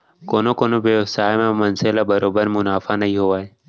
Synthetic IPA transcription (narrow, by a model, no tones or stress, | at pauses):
koːnoːkoːnoːʋeːsaːemãːmənselaːbəɾoːbəɾmʊnaːfaːnəɦĩːɦoːaːɦeː